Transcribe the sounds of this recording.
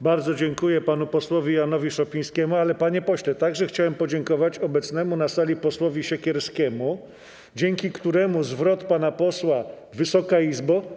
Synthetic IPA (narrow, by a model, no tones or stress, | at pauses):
baɾd̪zɔd͡ʑɛŋkujɛpanupɔswɔvʲijanɔvʲiʂɔpʲiɲ̃skʲɛmualɛpaɲɛpɔɕlɛt̪aɡʐɛxt͡ɕawɛmpɔd͡ʑɛŋkɔvat͡ɕɔbɛt̪snɛmunasalʲipɔswɔvʲiɕɛkʲɛɾskʲɛmu | d͡ʑɛŋkʲikt̪uɾɛmuzvɾɔt̪panapɔswa | vɘsɔkaizbɔ